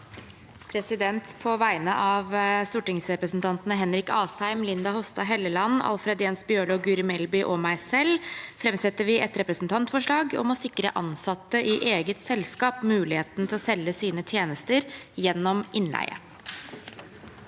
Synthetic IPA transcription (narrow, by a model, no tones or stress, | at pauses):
pʰɾɛsɪd̪ɛnt̪pʰɔʋæɪnəʔɑʋst̪uːʈɪŋsɾɛpɾəsn̩t̪ʰɑnt̪nəɦɛnɾɪkɑːshæɪmlɪnd̪ɑhɔst̪ɑɦɛlːəlɑnːɑ̰lfɾeːd̪jeːnsbjøːɭɔɡʉɾɪmɛlbʏʔɔmæɪsɛlːfɾɛmsɛt̪ːəʋɪʔɛt̪ɾɛpɾəsn̩t̪ʰɑnt̪fɔʂɭɑːɡɔ̰mɔsɪkːɾə̰ʔɑnsɑt̪ːəʔɪʔeːɡət̪sɛlskɑːpmʉːlɪheːt̪n̩ət̪ʰɪlɔsɛlːəsiːnət̪ʰjeːnəst̪əɾjɛnːɔmʔɪnlæ̰ɪə̰